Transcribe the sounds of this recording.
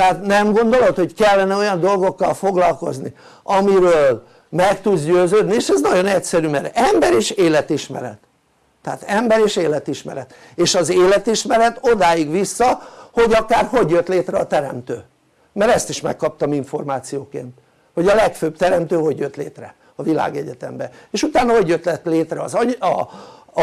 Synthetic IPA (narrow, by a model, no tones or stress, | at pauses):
t̪ɛat̪nɛmɡo̞nd̪o̞lo̞t̪ho̞ckɛlːɛnɛo̞jɒnd̪o̞lɡo̞kːɒlfo̞ɡlɒlko̞̰znḭ | ɒmiɾøːl | mɛkt̪ud̪zɟøːzøːd̪nieːʃɛznɒɟo̞nɛcsɛɾyːmɛɾɛmbɛɾeːʃeːlɛt̪iʃmɛ̰ɾɛ̰t̪ː | ɛa̰t̪ɛmbɛɾeːʃeːlɛt̪iʃmɛ̰ɾɛt̪ | eːʃɒzeːlɛt̪iʃmɛɾɛt̪o̞d̪aːjiɡʋisːɒho̞ɟɒkaːrɦo̞ɟjøt̪leːt̪rɛɒt̪ɛɾɛ̰mt̪ø̰ː | mɛɾɛst̪iʃmɛ̰kːɒp̚t̪ɒmiɱfo̞rmaːt̪sijoːkḛːnt̪ | ho̞ɟɒlɛkføːbt̪ɛɾɛmt̪øːho̞ɟjøt̪lḛːt̪rɛ | ɒvila̰ːɡɛɟɛt̪ɛ̰mbɛeːʃut̪aːnːɒɦo̞ɟjøt̪lɛt̪leːt̪rɛɒzɒɒ